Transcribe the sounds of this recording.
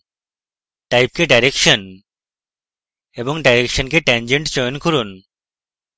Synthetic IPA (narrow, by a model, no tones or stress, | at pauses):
ʈajp̚keɖajɾekʃon | eboŋɖajɾekʃonkeʈɛnd͡ʑeɳʈt͡ɕɔjonkuɾun